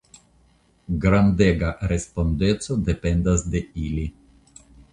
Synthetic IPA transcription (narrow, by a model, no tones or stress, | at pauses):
ɡɾand̪eɡaɾespo̞nd̪et͡ssod̪e̞pend̪asd̪e̞ili